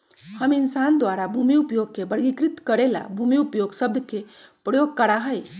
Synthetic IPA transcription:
həmɪnsand̪waɾabʱumiupjoɡ̚kebəɾɡikɾit̪kəɾela̰bʱumiupjoɡsəb̚d̪ʱke | pɾəjoɡ̚kəɾaɦəj

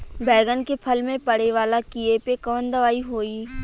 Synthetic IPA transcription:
bɛːɡənkepʰɐlmẽpɐɽ̤eʋaːlakiepekɐʋənd̪əʋaːiɦoːiː

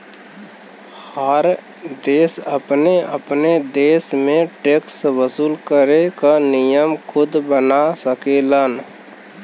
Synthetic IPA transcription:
həɾ | d̪eːsəpneəpned̪eːsmẽʈekswəsuːlkəɾekanɪjəmkʰʊd̪bənasəkeːlən

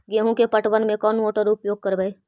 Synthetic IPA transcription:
ɡeɦũkepɐʈʋənmẽkɔːnmoːʈəɾʊpjoːɡ̚kɐɾbeeː

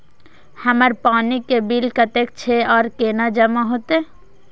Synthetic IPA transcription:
həməɾpanikebilkət̪ek̚t͡ʃʰeɔːɾkeːnad͡ʒəmaɦot̪e

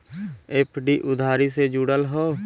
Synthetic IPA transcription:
eːpʰɖiːʔʊd̪ʱaːɾiːsed͡ʒuɽəlɦoː

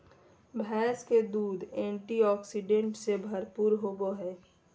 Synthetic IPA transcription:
bʱɛːsked̪uːd̪ʱẽːɳʈiɔːksiɖẽɳʈsebʱɐɾpuːɾɦoːɡoɦɛː

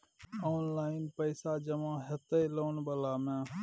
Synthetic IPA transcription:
oːnlaːɪnpəɪsaːd͡ʒəmãːɦət̪əloːnbəlaːmãː

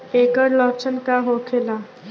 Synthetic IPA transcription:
ekəɾlɔpsənkaɦokʰela

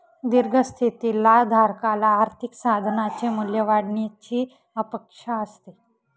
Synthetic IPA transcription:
d̪iɾɡʱəst̪ʰit̪ilad̪ʱaɾkalaːɾt̪ʰiksad̪ʱnat͡ɕemuljəʋaɽɳet͡ɕiː | əpekʂaəst̪i

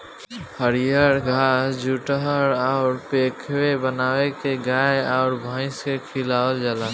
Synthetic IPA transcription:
həɾijəɾɡʱaːsd͡ʒʱuːʈəɦəɾɔʊɾpeːkʰwebənaːwekeɡaːeɔːɾbʱãːɪ̃skekʰɪlaːwəld͡ʒalaː

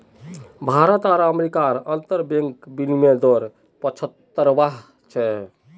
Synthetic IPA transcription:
bʱaɾət̪aɾəmeɾikaɾənt̪əɾbẽŋkbinimed̪ɔɾ | pət͡ʃʰət̪ːəɾbaɦ | t͡ʃʰɛ

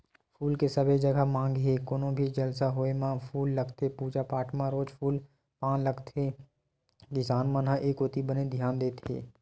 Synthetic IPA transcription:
pʰuːlkesəbʱed͡ʒəɡamãːŋɡɦekʊnõbʱid͡ʒɐlsaɦoemãpʰuːlːəɡt̪ʰepuːd͡ʒapaːʈʰmãɾoːd͡ʒpʰuːl | pãːnləɡt̪ʰeː | kɪsaːnmãnãʔeːkoːt̪ibəned̪ʱjaːnd̪eːt̪ɦḛː

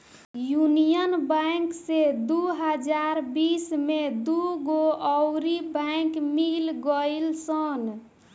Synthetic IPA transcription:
junijənbãɪŋksed̪uɦəd͡ʒaɾbismed̪uɡoɔʊɾibãɪkmilɡəlsən

